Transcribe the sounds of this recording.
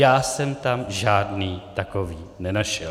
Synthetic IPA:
jaːsɛmt̪amʒaːdniːt̪akoviːnɛnaʃɛl

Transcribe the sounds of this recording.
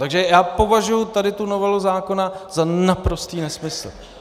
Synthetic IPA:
t̪aɡʒɛjaːpo̞vaʒujʊt̪adɪt̪unovɛluzaːko̞nazanapɾo̞st̪iːnɛsmɪsl̩

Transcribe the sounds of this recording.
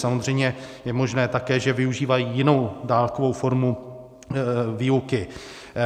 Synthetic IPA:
samozr̝ɛjmɲɛjɛmo̞ʒnɛːt̪akɛːʒɛvɪuʒiːvajijɪno̞wdaːlkovo̞wfo̞ɾmu | viːukɪ

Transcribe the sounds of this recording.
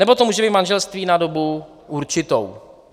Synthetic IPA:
nɛbo̞t̪omuːʒɛbiːt̪manʒɛlst̪viːnado̞bu | ʔuɾt͡ʃɪt̪o̰w

